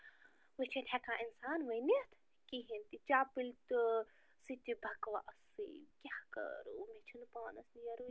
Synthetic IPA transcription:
ʋɨt͡ʃʰinʲɦɛkãːʔinsaːnʋɐjnit̪ʰ | kiɦint̪it͡ʃaːpilt̪ɨ | sit̪ʲibʱɐkʋa̰ʔɐsḭkʲahkə̰ɾṵːmet͡ʃʰinpaːnɐsnijɐɾu

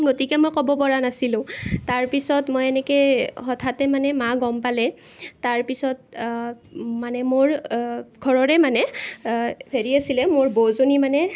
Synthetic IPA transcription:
ɡotikɛmojkɔbɔpɔɹanasilʊ̃taɹpisɔtmojɛnɛkɛxɔtʰatɛmanɛmaɡɔmpalɛ | taɹpisɔt̚ | manɛmoɹɡʱɔɹɔɹɛmanɛ | pʰeɹiasilɛmoɹbozonimanɛ

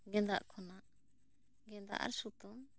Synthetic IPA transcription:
ɡɛ̃nd̪aʔkʰɔnaʔ | ɡɛ̃nd̪a̰ʔa̰ɾsut̪ɔm

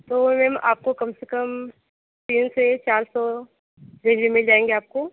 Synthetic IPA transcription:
t̪oːmẽmʔa̰ːp̚kokɐmsekəm | t̪iːnset͡ʃaːɾsɔ | ɾed͡ʒʋimɪld͡ʒaːẽːŋɡeaːp̚ko

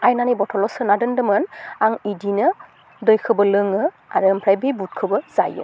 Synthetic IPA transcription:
ajnanibɔtʰɔlɔsɯnadɯndɯmɯnaŋidinɯ | dɔjkʰɯbɔlɯŋɯ | a̰ɹɯmpʰɹajbibut̚kʰɯbɔz̥ajɯ̰

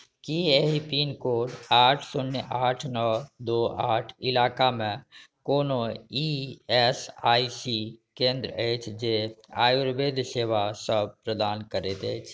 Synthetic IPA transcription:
kieɦipinkoːɖaːʈʰsʊneʔaːʈʰnɔd̪oaːʈʰɪlaːkamẽkoːnoiɛsaːisikẽnd̪ɾəəɪt͡ʃʰd͡ʒeaːjuɾbed̪seːʋasəb̚pɾəd̪aːnkəɾet̪ət͡ʃʰ

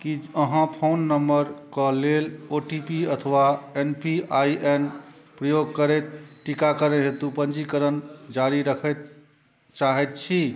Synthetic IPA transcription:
kiəɦãpʰonːəmbəɾkɔleloʈipiət̪ʰəʋaenpiaiʔen | pɾəjoɡ̚kəɾɛt̪̚ʈikakəɾɛɦet̪upənd͡ʒikəɾənd͡ʒaɾiɾəkʰɛt̪̚ | t͡ʃaɦɛt̪̚t͡ʃʰi

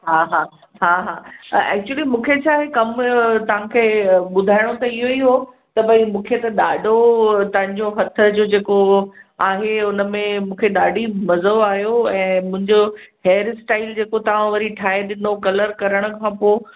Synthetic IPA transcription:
ɦaːɦaː | ɦaːɦaːɛ̰ːk̚t͡ɕuəlimũːkʰet͡ɕʰaːɦekɐmt̪ɐʋ̤ãkʰeːɓʊd̪ʱaːɪɽ̃ot̪ɐɪɦoiɦo | t̪ɐbʱɐimũːkʰet̪ɐɗaːɖʱot̪ɐɦɪ̃ɲd͡ʑoɦɐt̪ʰə̆d͡ʑoːd͡ʑeːkoaːɦeʊnəmẽmũːkʰeɗaːɖʱimɐzoaːɦjoɛ̃ːmʊ̃ɦɪ̃ɲd͡ʑoɦeːɾsʈaːɪld͡ʑeːkot̪ɐʋ̤ãʋɐɾiʈʰaːɦeɗɪnokɐləɾkɐɾəɽ̃ʊ̆kʰãːpoː

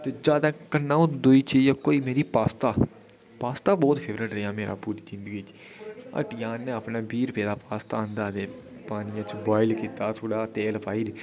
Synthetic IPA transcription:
t̪eːd͡ʒaːd̪aːkənːãːõd̪oːiːt͡ʃejaːkoːiːmeːɾiːpaːst̪aː | paːst̪aːbɔːt̪pʰeːʋɾəʈɾəaːmeːɾa̰ːpuɾiːd͡ʒɪnd̪əɡiːt͡ʃ | ə̰ʈjãːnẽːəpnãːbiːɾpeːd̪aːpaːst̪aːnd̪aːd̪eː | paːnɪjãːt͡ʃbaːɪlkiːt̪aːt̪ʰoːɽaːt̪eːlpaːiːɾ

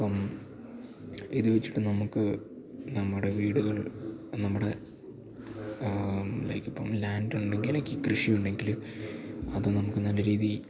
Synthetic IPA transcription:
pːɐm | iðuʋet͡ɕːi̥ʈːɨnɐmukːɨ | nɐmːuɽe̞ʋiːɽuɣɐɭnɐmːuɽe̞ | lɐ̰jkːɐpːɐ̰mlaːnduɳɳɖeŋɡilɐkʲːiːkrɨʂiuɳɖe̞ŋɡilu | ɐðɨnɐmukːɨnɐlːɐɾiːði

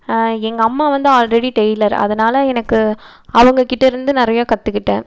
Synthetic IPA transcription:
ɛŋɡɐːmːaːʋɐnd̪ɯaːlɾɛɽiʈɛjɪlɐɾɐ̰ðɐnaːlɐɛnɐkːɯ | ɐʋɐŋɡɐkɪʈːɐɪɾɯnd̪ɯnɪɾɐjaːkɐt̪ːɯkːɪʈːẽː

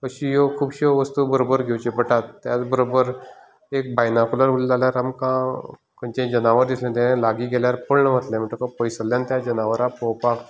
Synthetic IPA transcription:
kəɕĩjokʰuːbɕəʋəst̪ubəɾobəɾɡʱewt͡ɕepəʈat̪ːjat͡sbəɾobəɾ | ek̚bajnakuləɾulːaljaɾamkã | kəɲt͡ɕẽd͡ʑənaʋəɾd̪islẽt̪̬enẽlaɡiːɡeljaɾpəɭɳəʋət̪lẽməɳʈ̪əkəpəjsəljãnt̪jad͡ʑənaʋəɾapopak

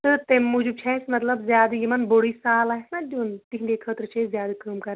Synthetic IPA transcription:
t̪ɨt̪emud͡ʒub̚t͡ʃʰɛsmɐt̪lɐbzʲjaːd̪jimɐnboɽiːsaːlaːɦsnadʲuːnt̪iɦid̪ʲekʰəːt̪ɾt͡ʃʰezʲjaːd̪ɨkɐmkɐɾ

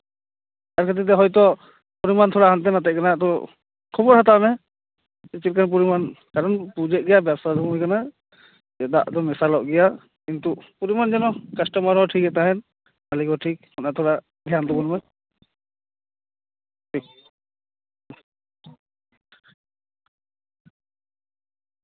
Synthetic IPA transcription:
t̪aɾkʰat̪̬it̪̬ɛɦɔjt̪ɔ | puɾimant̪ʰɔɽaɦant̪̬ɛnat̪ɛʔ̚kanat̪ɔ | kʰɔbɔɾɦat̪amɛ | it͡ʃit̪̚kanp̬uɾimankaɾɔnpud͡ʒɛʔ̚ɡɛjabjasad̪ʱumɦɔjkana | ɛd̪a̰ʔd̪ɔmɛsalɔʔɡɛja | kint̪upuɾimand͡ʒɛnɔkəsʈɔmaɾɔʈʰik̚ɛt̪aɦɛn | malikɔʈʰik̚hɔnat̪ʰɔɽa | d̪ʱjand̪ɔbɔnmɛ | ʈʰi

